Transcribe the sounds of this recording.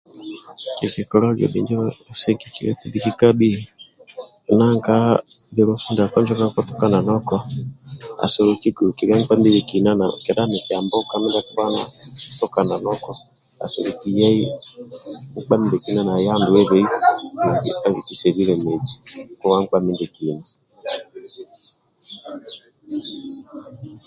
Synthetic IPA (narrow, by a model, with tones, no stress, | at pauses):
ki˨ki˨kɔ˨lɔ˦ɡɛ̰˨bḭ˨nd͡ʒɔ˦sɛ˦ki˨ki˨ɾɛ˦ti˦bi˦ki˦ka˦bi˦˨ | na˦˨ŋka˦bi˨˦ɾɔ˦fu˦nda˨kɔ˦nd͡ʒɔ˦ka˦kɔ˦tɔ˦ka˦na˨nɔ˦kɔ˦ | a̰˨sɔ˨ɾu˨ki˦ɡu˨u˨ki˨ɾa˦ŋ̩˦k͡pa˦m˦i˦βɛ˨ki˨na˦na̰˨kɛ˨da˦mɛ˨ti˨a˨mbɔ˦ka˦mɛ˦nda˦kwa˦na̰˦tɔ˦ka˨na˨nɔ˦kɔ˨ | a̰˨so˨ɾu˨ki˨ja˦i˦ | ŋ̩˦k͡pa˦mi˦dɛ˨ki˨˦na˦na˨ja˦ndu˨ɛ˦βe˦i˦u˨dḭ˨a˦βi˨ki˨se˨βi˦ɾɛ˨me˨d͡ʒi̥˨kɔ˦wa˦ŋ̩˦k͡pa˦mi˦ndɛ˨ki˨na˦